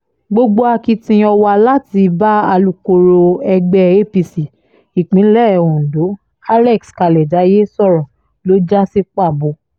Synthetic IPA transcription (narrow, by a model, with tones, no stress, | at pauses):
ɡ͡bo˧ɡ͡bo˦a˧ki˧tĩ˧ɔ˧wa˧la˦ti˧ba˦a˧lu˧ko˧ɾo˧ɛ˧ɡ͡bɛ˦e˦˨pi˧si˨ | i˨k͡pĩ˨˦lɛ˦˨ɛ˨õ˨n̩˨do˨˦ | a˦lɛ˦˨kska˧lɛ˨da˨˦je˦sɔ˦˨ɾɔ̃˨ | lo˨˦d͡ʒa˦si˧k͡pa˦˨bo˧˦